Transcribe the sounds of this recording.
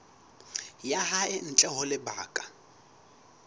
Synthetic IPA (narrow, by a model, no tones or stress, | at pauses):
jaɦaɪn̩t͡ɬʼɛɦʊlɪba̰ːkʼa